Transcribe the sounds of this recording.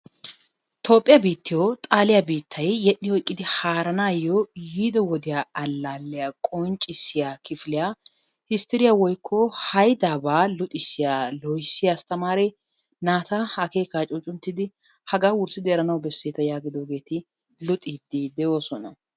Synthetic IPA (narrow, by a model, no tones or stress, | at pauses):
t̪ʰo̞ːpʼːɪjɐbiːt̪ːɪjot̪ʼaːlɪjabiːt̪ʰːɐjːɛɗːɪhɔjkʼːɪd̪ɪhaːɾɐnaːjːojiːd̪ɔwɔd̪ɪjaɐlːaːlːɪjakʼɔnt͡ʃʼɪsːɪjakɪfɪlɪjaː | hɪst̪ɛɾɪjawɔjkʰːɔhɐjd̪aːbaːlʊt̪ʼɪsːɪjaːlɔjsːɪjast̪ɐmaːɾɛ | naːt̪ɐɐke̞ːkaːt͡ʃʼʊt͡ʃʼʊnt̪ːɪd̪ɪ | hɐɡaːwʊɾsɪd̪ɪɛɾɐnɐwbɛsːeːt̪ɐjaːɡɪd̪oːɡe̞ːt̪ɪ | lʊt̪ʼiːd̪id̪ɛjo̞ːsɔnɐ